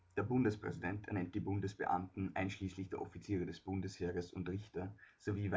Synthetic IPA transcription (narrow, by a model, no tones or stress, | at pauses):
d̥eːɐbʊndəspʁ̥ɛ̰zidɛntɛɐnɛnt̚d̥iːbʊndəsb̥ə̰ʔa̰mtn̩ʔa̰ɪnʃliːslɪçd̥eːɐofit͡siːʁədɛsb̥ʊndəsheːʁəsʊntʁɪçtɐz̥oviːva